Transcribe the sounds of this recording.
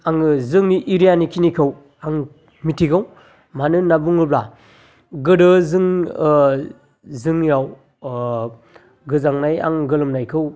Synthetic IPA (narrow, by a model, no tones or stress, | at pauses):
aŋɯzɯŋniʔiɾijanikʰinikʰɯw | aŋ | mitʰiɡaw | manɯnabuŋɯbla | ɡɯdɯzɯŋ | zɯŋjaw | ɡɯzaŋnaja̰ŋɡɯlɯmnajkʰɯw